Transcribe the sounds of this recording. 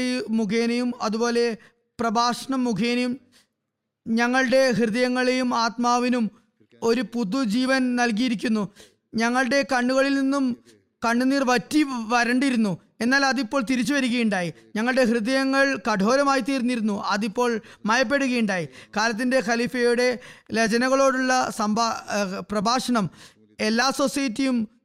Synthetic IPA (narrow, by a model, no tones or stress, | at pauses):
mukʰeːnɐjumɐðubo̞ːle̞ | prɐbʱaːʂɐɳɐmːukʰeːnɐjum | ɲɐŋːɐɭɨɽe̞ɦrɨðɐjɐŋːɐɭejumaːt̪maːʋinum | o̞ɾupud̪ud͡ʑiːʋɐnnɐlk̬ijiɾikʲːunːu | ɲɐŋːɐɭɨɽe̞kɐɳːuɣɐɭilninːum | kɐɳːuniːrʋɐtːiʋɐɾɐɳɖiɾunːu | e̞nːaːlɐðipːo̞ːɭt̪iɾit͡ɕːuʋɐɾuɣɐjuɳɖaːji | ɲɐŋːɐɭɨɽe̞ɦrɨðɐjɐŋːɐɭkɐɖʱo̞ːɾɐmaːjit̪iːrnːiɾunːuʔɐðipːo̞ːɭmɐjɐp̬ːe̞ɽuɣɐjuɳɖaːjikaːlɐt̪̬ːinde̞xɐlifɐjuɽe̞let͡ɕɐnɐɣɐɭo̞ːɽuɭːɐsɐmbʱaprɐbʱaːʂɐɳɐm | e̞lːaːso̞sɐjɐtːijum